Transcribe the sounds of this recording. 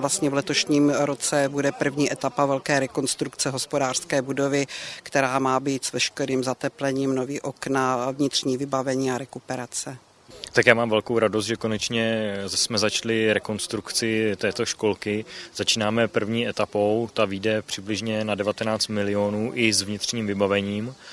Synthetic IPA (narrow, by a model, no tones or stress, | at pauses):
last̪ɲɛvlɛt̪o̞ʃɲiːmɾot͡sɛbudɛpr̩vɲiːʔɛt̪apavɛlkɛːɾɛko̞nst̪ɾukt͡sɛɦo̞spodaːr̥skɛːbudo̞vɪkt̪ɛɾaːmaːbiːt̪svɛʃkɛɾiːmzat̪ɛplɛɲiːmno̞viːʔo̞knavɲɪt̪r̝̥ɲiːvɪbavɛɲiːaɾɛkupɛɾat͡sɛ | t̪akjaːmaːmvɛlkowɾadost̪ʒɛkonɛt͡ʃɲɛsmɛzat͡ʃlɪɾɛko̞nst̪ɾukt͡sɪt̪ɛːt̪oʃko̞lkɪz̥at͡ʃiːnaːmɛpr̩vɲiːʔɛt̪apo̞wt̪aviːdɛpr̝̥ɪblɪʒɲɛnadɛvat̪ɛnaːt͡st̪mɪlɪonuːʔɪzvɲɪt̪r̝̥ɲiːmvɪbavɛɲiːm